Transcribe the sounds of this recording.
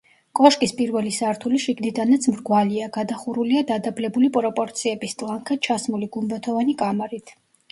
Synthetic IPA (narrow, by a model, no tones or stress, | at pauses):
kʼɔʃkʼispʼiɾvɛlisaɾt̪ʰuliʃiɡnid̪anat̪sʰmɾɡwaliaɡad̪aχuɾuliad̪ad̪ablɛbulipʼɾɔpʼɔɾt̪sʰiɛbist̪ʼlˠaŋkʰat͡ʃʰasmuliɡumbat̪ʰɔvanikʼamaɾit̪ʰ